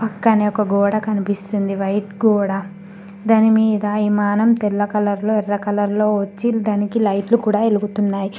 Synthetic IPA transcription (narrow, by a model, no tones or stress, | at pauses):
pɐkːɐneːɔkɐɡɔːɽɐkɐnipist̪und̪iʋɐjʈɡɔːɽɐ | d̪ɐːnimiːd̪ɐimaːnɐmt̪ɛlːɐkɐlɐɾlo̞ːɛrːɐkɐlɐɾlo̞ːʋɐt͡ʃːild̪ɐnikilɐjʈlukuːɽaːeluɡut̪unːaːji